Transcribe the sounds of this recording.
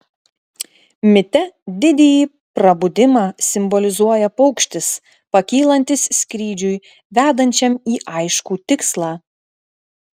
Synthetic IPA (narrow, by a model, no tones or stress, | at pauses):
mʲɪt̪ʲɛd̪ʲɪd̪ʲɛjiː | pɾɐbʊd̪ʲɪmɑːsʲɪmbɔlʲɪzuɔjɛpɔʊkʃʲt̪ʲɪs | pɐkʲiːlˠɐnʲt̪ʲɪssʲkɾʲiːd͡ʒʲʊj | ʋʲæːd̪ɐnʲt͡ʃʲɛmiːʔɐɪʃkuːt̪ʲɪkslˠɑː